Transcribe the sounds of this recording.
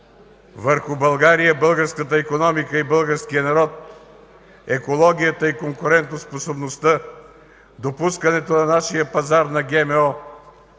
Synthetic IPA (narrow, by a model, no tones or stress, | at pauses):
vəɾxʊbɐlˠɡaɾijəbɤlˠɡəɾskət̪əikonɔmikəibəlˠɡəɾskijənɐɾɔt̪̚ | ɛkolˠɔɡ̟ʲijət̪əikoŋkʊɾɛnt̪nosposobnost̪ə | d̪opuskɐnɛt̪onɐnaʃijəpɐzaɾnɐɡɛmɛɔ